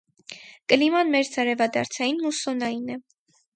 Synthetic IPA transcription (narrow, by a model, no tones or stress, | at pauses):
kəlimɑnmɛɾt͡sʰɑɾɛvɑd̪ɑ̰ɾt͡sʰɑjinːusɔnɑjinɛ